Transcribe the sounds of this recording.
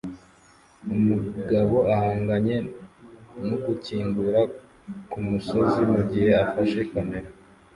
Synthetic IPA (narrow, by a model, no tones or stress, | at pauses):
umuɡaβo̞ʔahaːŋɡaɲe̞ | noɡuciːŋɡuɾa | kumuso̞zimuɟihe̞afaʃe̞kame̞ɾe